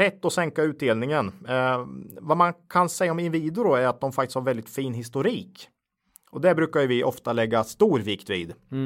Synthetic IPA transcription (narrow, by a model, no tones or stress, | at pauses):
ɛt̪ːɔsɛŋkaʉ̟ːt̪̚d̪eːlnɪŋən | vamankʰansɛjːaɔmɪnviːd̪ʊɾɔæɾat̪̚d̪ɔmfak̚t̪ɪst̪haɾvɛld̪ɪt̪fiːnɦɪst̪ʊɾiːk | ɔd̪ɛbɾʉ̟ːkajɵvɪʔɔft̪alɛɡːast̪uːɾvɪkt̪vḭːd̪